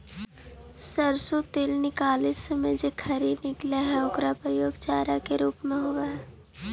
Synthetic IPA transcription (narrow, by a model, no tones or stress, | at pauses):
səɾsut̪eːlnɪkaːlɪt̪semẽd͡ʒekʰɐɾiːd̪nɪklaɦɛʊɡɾapɾəjoːɡt͡ʃaːɾakeɾuːpmẽɦowaɦɛː